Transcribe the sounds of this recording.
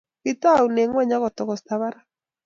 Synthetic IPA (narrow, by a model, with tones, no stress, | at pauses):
kɪ˦ta˦˨u˨ne˨ŋwɲa˦kɔ˨t̪ɔ˨kɔ˨sta˦βa˦ɾa˦